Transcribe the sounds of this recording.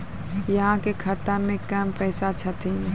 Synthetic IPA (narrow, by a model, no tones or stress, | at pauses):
jɐɦãkekʰət̪amẽkəmpɛːsat͡ʃʰət̪ʰi